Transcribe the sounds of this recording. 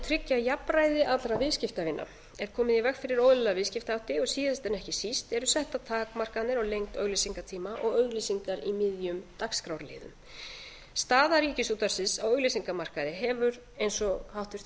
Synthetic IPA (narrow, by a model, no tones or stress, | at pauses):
t̪ʰɾɪcːajapɾajðɪʔat̪lɾavɪðscɪft̪avɪnːʔa̰ | ɛɾ̥kʰɔːmɪðivɛkfɪɾɪɾowðlɛlavɪðscɪft̪awht̪ɪɔɣsiːðast̪ɛnɛhcɪsist̪ɛɾʏsɛht̪at̪ʰaːkmar̥kat̪nɪɾawlejŋkt̪œɣlisiŋkat̪ʰiːmaʔɔɣœɥɣlisiŋkaɾimɪðjʏmt̪akskɾawɾlɪ̰ːðʏ̰m | st̪aːðaɾiːcɪsuːt̪aɾ̥sɪnsawœɣlisiŋkamar̥kaðɪɦɛvʏɾ | ejnsɔhawht̪ʏɾ̥θ